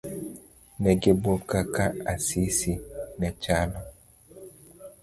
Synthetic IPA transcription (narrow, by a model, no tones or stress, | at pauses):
nɛɡebokakaasisinɛt͡ʃalɔ